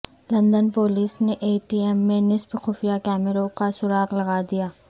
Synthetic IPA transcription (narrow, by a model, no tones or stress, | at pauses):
lɐ̃nd̪ənpoːliːsneʔeːʈiːɛmːẽnɪspxʊːfijakɛːmɪɾõkasʊɾaːqlɐɡaːd̪ijaː